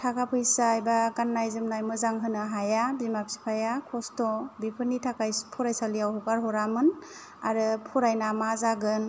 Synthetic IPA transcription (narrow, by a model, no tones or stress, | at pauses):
tʰakʰapʰɯjsajbaɡanːajzɯmnajmɯzaŋɦɯnɯɦajabimapsi̥pʰajakʰɔstɔbipʰɯnitʰakajpʰɔɾajsalijawɦɔkaɾɦɔɾamɯn | aɾɯpʰɔɾajnamazaɡɯn